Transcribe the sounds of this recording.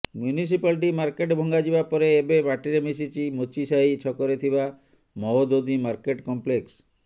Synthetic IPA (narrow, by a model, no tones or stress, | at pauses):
mjunis̬ipalʈimaɾkeʈbʱɔŋɡad͡ʒibapɔɾeːbebaʈiɾemis̬it͡ʃimot͡ʃisaɦit͡ʃʰɔkɔɾet̪ʰiba | mɔɦod̪od̪imaɾkeʈkɔmpleks